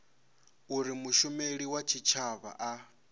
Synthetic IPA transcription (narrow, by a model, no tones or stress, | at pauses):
uɾimuʃumeɺiwat͡ʃʰit͡ʃʰaβa̰ʔa